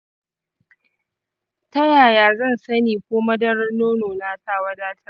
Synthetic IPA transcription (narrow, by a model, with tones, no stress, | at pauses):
tɐ˦jaː˨jaː˨zɐ˦˨nsɐ˦niː˨kʷoː˦mɐ˦dɐ˦rnoː˦noː˨naː˨saː˦˨wɐ˦daː˦tʰɐ˦